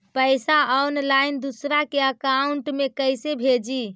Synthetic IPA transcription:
pəɪsaɔnlaind̪usɾakeəkauɳʈmekəjsebʱed͡ʒi

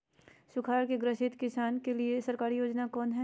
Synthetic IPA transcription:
ʃʊkʰaːɾkeɡɾɪʃɪt̪kɪsaːnkeliesɐɾkaːɾijoːd͡ʒnakɔːnɦɛ

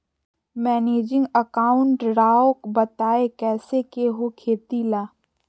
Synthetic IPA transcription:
mɛːneːd͡ʒɪ̃ŋɡəkaːʊ̃ɳʈɾaːokbɐt̪aːekɛːsekeɦokʰeːt̪ilaː

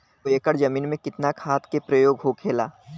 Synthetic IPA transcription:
oekəɽd͡ʒɐmiːnmẽkɪt̪nakʰaːt̪ʰkepɾəjoːɡɦokʰeːlaː

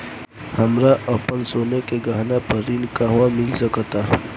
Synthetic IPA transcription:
hɐmɾaʔɐpənsoːnekeɡaːɦnapəɾiːnkaɦwãmɪlsəkt̪a

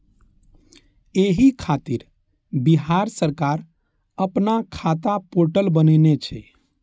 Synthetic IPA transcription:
eɦikʰat̪iɾ | biɦaɾsəɾkaɾ | əpnakʰat̪apoɾʈəlbənənet͡ʃʰɛ̰

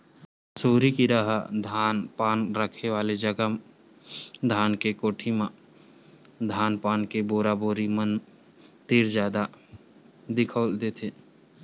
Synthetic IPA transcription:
suːɾikiɾaɦad̪ʱaːnpaːnɾəkʰeʋaːled͡ʒəɡəm | d̪ʱaːnkekoːʈʰimã | d̪ʱaːnpaːnkeboːɾaboːɾimən | t̪iɾd͡ʒaːd̪a | d̪ɪkʰəld̪eːt̪ʰeː

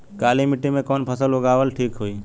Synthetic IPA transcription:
kaːlimɪʈimẽkɔːnpʰəsəlɦoɡaːʋəlʈʰiːkɦoiː

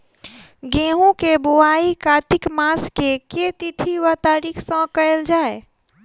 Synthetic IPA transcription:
ɡẽɦũkeboaikat̪ɪkmaskeket̪it̪ʰiʋət̪aɾiksə̃kəeld͡ʒaːe

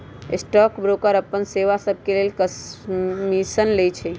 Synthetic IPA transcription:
ɪ̰sʈɔkbɾokəɾəpːənseʋasəb̚ʱkelelkəsmisənlet͡ʃʰɛ

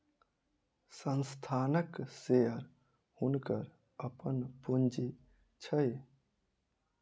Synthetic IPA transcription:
sənst̪ʰanəkseəɾ | hunkəɾ | əpənpund͡ʒi | t͡ʃʰəj

